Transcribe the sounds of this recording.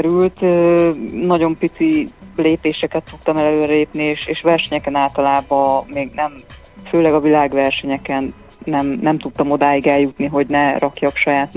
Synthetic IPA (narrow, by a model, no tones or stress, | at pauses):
ɾylt̪øːnɒɟo̞mpit̪sileːpeːʃɛkɛt̪ːut̪ːɒmɛlɛløːɾɛleːpnieːʃeːʃʋɛrʃɛɲɛkɛnaːlt̪ɒlaːbɒmeːɡnɛm | føːlɛɡɒvilaːɡʋɛrʃɛɲɛkɛnː | ɛmnɛmt̪ut̪ːɒmo̞d̪aːjiɡɛljut̪niɦo̞ɟnɛrʔɒkjɒkʃɒjaːt̪